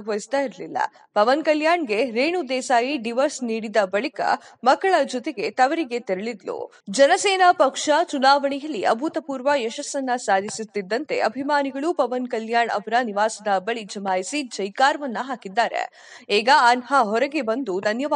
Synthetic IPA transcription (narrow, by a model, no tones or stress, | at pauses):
ɡʋɐjist̪aːiɾɐlilːɐ̰ | pɐʋɐnkɐljaːɳɡe̞ɾeːɳud̪ɛːsaːjiɖiʋɐɾsniːɽid̪ɐbɐɭikɐ̰mɐɡːɐɭɐd͡ʒɔt̪eɡe̞t̪ɐʋɐɾiɡe̞t̪eɾɐɭid̪lṵ | d͡ʒɐnɐsɛːnɐpɐkʂɐt͡ʃunaːʋɐɳɛjɐlːiʔɐ̰bʱut̪ɐpuːɾʋɐjɛʃɐsːɐnːɐsaːd̪ʱisut̪ːid̪ːɐnt̪e̞̰ʔɐbʱimaːniɡɐɭupɐʋɐnkɐljaːɳɐ̰bɾɐniʋaːsɐd̪ɐbɐɭid͡ʒɐmaːjisid͡ʒɐjkaːɾɐʋɐnːɐɦaːkid̪ːaːɾḛ | ɛːɡɐːnhɐɦɔɾɐɡe̞bɐnd̪ud̪ʱɐnjɐʋaː